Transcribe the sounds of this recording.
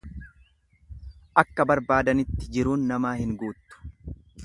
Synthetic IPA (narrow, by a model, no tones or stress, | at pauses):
ʔɐkːɐbɐɾbaːd̪ɐnɪt̪ːɪd͡ʒɪɾuːnːɐmaːhɪŋɡuːt̪ːʊ̥